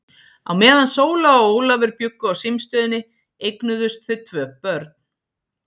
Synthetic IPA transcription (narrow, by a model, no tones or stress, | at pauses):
a̰wmɛːðansoːwlaɔowlavɛɾpjʏkːʏawsɪmst̪œːðɪnɪ | ejknʏðʏst̪θɪðt̪ʰv̥œːpœɾt̪̚n̥